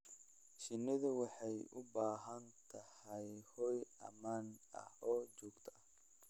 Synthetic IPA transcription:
ʃɪnːɪðʊwɑħɑjʔʊbaːɦɐnt̪ʰɐhɐjhɔjʔɐ̰maːnʔɐ̰hɔːd͡ʒɔːɡt̪ʰɐɐh

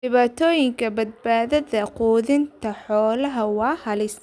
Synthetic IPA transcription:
ɪβaːt̪ʰɔːjɪŋkʰɐbɐd̪̚baːðɐðɐquːðɪnt̪ʰɐħɔːlɐɦɐwɑːhɐlɪs

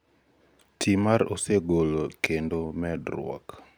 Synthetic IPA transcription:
tʰimaɾoseɡolokendomɛdɾʊɔ̰k

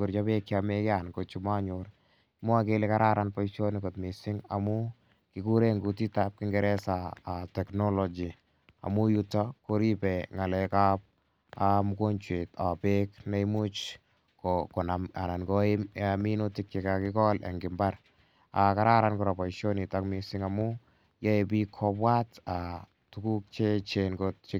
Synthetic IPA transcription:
kʊɾt͡ʃɔpekjiamekɪankot͡ʃumaɲʊɾ | mʊakelekaɾʔaɾanpɔiʃonɪkotmisɪŋa̰mu | kɪkuɾeŋɡutitap̚kɪŋɡɛɾɛsaatɛknɔlɔd͡ʒi | a̰mujutakoɾipɛŋalɛkaːp̚ | amukont͡ʃwetapeknejmut͡ʃ | kokonama̰nankoaminotik̚t͡ʃekakɪkɔlʔa̰ŋɡɪmbar | akaɾaɾankuɾɔpɔiʃjonitakmisiŋamu | jaepikʰɔpwata | tukuk̚t͡ʃet͡ʃenkott͡ʃe

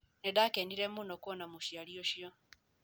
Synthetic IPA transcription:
nedakendiɾemunokuɔnamuʃjaɾioʃiɔ

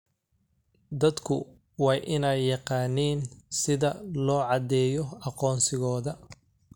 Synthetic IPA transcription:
d̪ɐd̪kʰʊ̰ | wɑːjʔɪnɛjːɑqɑːniːnsɪðɐlɔːʕɑd̪ɛːjɔɑqɔːnsɪɣɔːðɐ

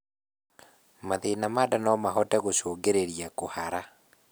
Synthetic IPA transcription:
maðenamadanɔmaɦɔtɛɣoɕoːɡeɾeɾijakohaɾa

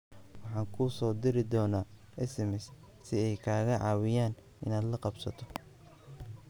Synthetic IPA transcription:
wɑħɑːŋkʰʊsɔːd̪ɪɾɪd̪ɔːnaː | ʔɛsɛmɛs | sɪɛjkʰaːɣɐʕɑ̰ːwɪjaːn | ɪ̰naːd̪lɐqɑbsɐ̰t̪ʰɔ̥

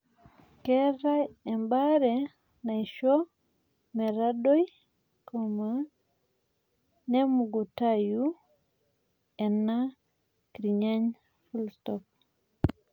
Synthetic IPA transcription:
kɛɾaɛmbaɾɛ | najʃɔ | mɛɾaɗoj | kɔma | nɛmuɡutaju | ɛnːa | kɾiɲaɲ | fulstɔp̚

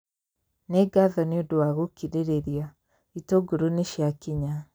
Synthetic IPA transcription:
neɡaðɔneodowaɣokiɾeɾeɾia | itoɡoɾoneʃjakiɲa

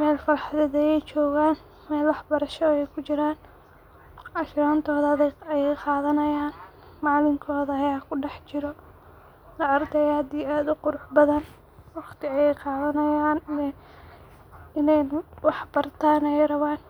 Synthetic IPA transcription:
mɛːlfɐɾɑħðɛðɐjɛjt͡ʃɔːɣaːn | mɛːlwɑħbɐɾɐʃɔɛjkʰʊt͡ʃɪɾaːn | ʔɑʃɾaːnt̪ʰɔːðɐðɐjɛjqɑːðɐnɐjaːn | mɑːlɪŋkʰɔːðɐɐjaːkʰʊɖɛħt͡ʃɪɾɔ | lɐɐrd̪ɛjaːd̪iːaːd̪ʊqʊɾʊħbɐðɐn | wɑqt̪ɪɐjɛjqɑːðɐnɐjaːnɛ | ɪnɛjwɑħbɐrt̪ʰaːnɛɛjrɐβaːn

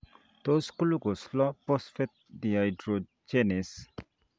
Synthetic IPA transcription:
t̪oskuluɡoslɔposfet̪̚diajɖɾo | d͡ʒenes

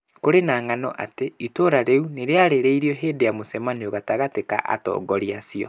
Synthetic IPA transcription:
koɾenaːŋanɔ̰ʔateitoɾaɾeuneɾeaɾeɾeiɾiɔɦeːdejamosɛmanioɣataɣateka̰ʔa̰tɔ̰ːɡɔɾiasiɔ̰

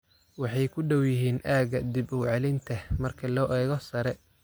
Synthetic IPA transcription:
wɑħɑjkʰʊɖɐwjɪɦiːnʔaːɣɐd̪ibɔwʕɑlɪnt̪ʰɐmɐrkʰɐlɔːʔɛːɣɔsɐɾɛ

